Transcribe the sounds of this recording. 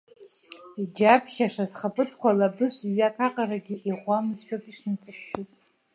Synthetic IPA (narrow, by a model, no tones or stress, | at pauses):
id͡ʒapʰʃaʂasχapʼɨtʰkʷalabɨzɥakʰaqʼaɾaɡʲiʔiʁʷamɨzħᶣopʼiʂnat͡sʼɨrʃʊzʼ